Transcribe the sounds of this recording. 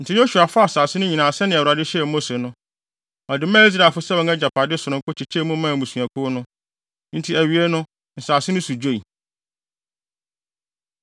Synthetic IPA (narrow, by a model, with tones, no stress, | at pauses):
n̩˨tʰɪ˦jõ˦ɕu˨a˨fʊ˦a˨saː˨sɪ˦nʊ̃˦ɲĩ˨nã˨sɛ˦nɪ̃˨wa˨dɪ˦ɕɛ˦˨mo˦se˨nʊ̃˦ | ɔ˨dɪ˨mãː˦s̬ɾa˨fʊ˦sɛ˦wɔ̃˨ŋɛ˦d͡ʑa˨pʰa˨dɪ˦sʊ˨ɾʊ̃˦ŋ˦kʊ˦t͡ɕʰi˨t͡ɕʰe˦mũ˦mã˦˨mũ˨su˨a˨kʰʊ˦nʊ̃˦ | n̩˦tʰi˦æ˨ɥi˨ɛ˦nʊ̃˦ | n̩˨saː˨sɪ˦nʊ̃˦su˨d͡ʑᶣo˦i˨